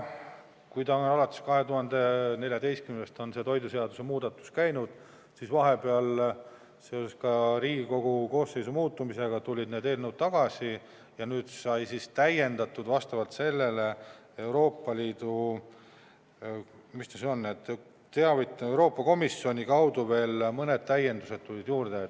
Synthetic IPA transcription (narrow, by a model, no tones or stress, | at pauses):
kujt̪ɑonɑlɑt̪ːˑeskɑɦe̞t̪uhɑnd̪e̞ne̞lʲjɑd̪e̞jst̪kymnnest̪o̞nse̞t̪o̞jd̪use̞ɑd̪̥use̞muːd̪ɑt̪ːˑu̥skæjnud̪̥ | sisvɑɦe̞pe̞ɑl | se̞o̞seskɑɾiːɡiko̞ɡ̥uko̞ːse̞jsumuːt̪ːˑumise̞ɡ̥ɑt̪ulʲid̪ned̪e̞ːlnəwt̪̚t̪ɑɡ̥ɑsi | jɑnyːd̪̥sɑjsist̪æje̞nd̪̥ɑt̪ːˑud̪̥vɑst̪ɑvɑlt̪se̞lːe̞le̞ | e̞wɾo̞ːpːˑɑliːd̪̥u | mist̪ɑseonːet̪ːˑ | t̪eɑvit̪ːewɾo̞ːpːˑɑko̞misːio̞nʲikɑwd̪uve̞ːlmɤne̞d̪̥̚t̪æje̞nd̪use̞d̪̥t̪ulʲid̪̥juːrd̪et̪